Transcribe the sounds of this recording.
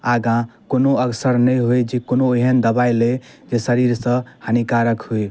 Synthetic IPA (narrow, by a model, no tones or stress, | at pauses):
aɡãkonoəksəɾnəjɦojd͡ʒekonoeɦənd̪əbajle | d͡ʒesəɾiɾsə̃hənikaɾəkhoj